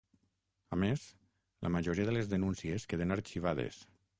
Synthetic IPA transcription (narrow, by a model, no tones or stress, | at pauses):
ames | lʔə̰maʒoɾiaðəlezðənũnsieskeðenaɾt͡ʃiβ̞aðḛs